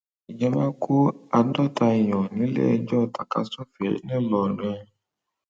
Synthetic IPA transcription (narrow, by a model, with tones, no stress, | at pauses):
i˨d͡ʒɛ˧˦mã˦ku˦a˨n̩˦dɔ˦ta˧i˨j̃ɔ̃˨nĩ˨˦lḛ˦ɛ˧d͡ʒɔ˦˨ta˨ka̰˧˦so˦fḛ˨˦nĩ˦˨lɔ˨ɾɛ̃˧